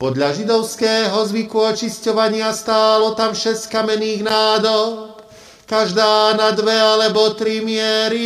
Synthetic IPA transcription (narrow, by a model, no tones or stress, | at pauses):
pɔd̪ʎaʒid̪ɔʊskɛːɦɔzʋikuɔt͡ʃiscɔʋaɲɪast̪aːlɔt̪amʃɛsckamɛniːɣnaːd̪ɔp | kaʒd̪aːnad̪ʋɛalɛbɔt̪ɾimɪɛɾi